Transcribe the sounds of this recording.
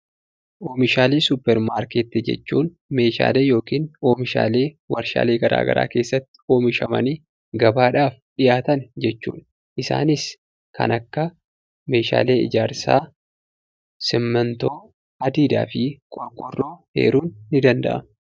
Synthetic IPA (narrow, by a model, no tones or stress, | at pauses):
ʔo̞ːmɪʃaːleːsʊpːɛɾmaːɾkeːt̪ːɪd͡ʒɛ̰t͡ʃːuːn | me̞ːʃa̰ːleːjo̞ːkiːno̞ːmɪʃa̰ːle̞ː | wɐɾʃa̰ːle̞ːɡɐɾʔa̰ːɡɐ̰ɾa̰ːke̞ːsːɐt̪ːɪ̥o̞ːmɪʃɐmɐ̰niː | ɡɐbaːᶑaːfᶑɪjaːt̪ɐnd͡ʒɛt͡ʃːṵːn | ʔɪsa̰ːnɪs | kʰɐ̰nɐkːɐ | me̞ːʃa̰ːle̞ːɪ̰d͡ʒaːɾsa̰ː | sɪmːɐnt̪o̞ː | ɐd̪iːd̪a̰ːfɪkʼɔɾkʼɔrːoːhḛːɾuːnːɪd̪ɐnd̪ɐ̰ʔɐ̰m